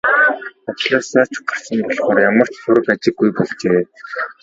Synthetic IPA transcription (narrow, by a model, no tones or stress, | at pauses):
at͡ɕɮaːsaːt͡ɕʰʊ̥qarsə̆mpɔɮχɔːrjamə̆r̥t͡ɕsʊɾə̆kat͡ɕɪ̆ɡːujpɔɮt͡ɕeː